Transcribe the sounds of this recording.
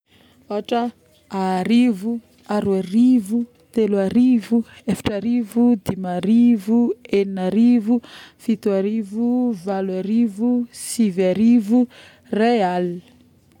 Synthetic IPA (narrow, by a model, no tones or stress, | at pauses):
oaʈ͡ʂə | aɾivu | aɾwaɾivu | t̪eluaɾivuefḁʈ͡ʂaɾivud̪imaɾivueninaɾivufit̪uaɾivuvalwaɾivusivaɾivu | real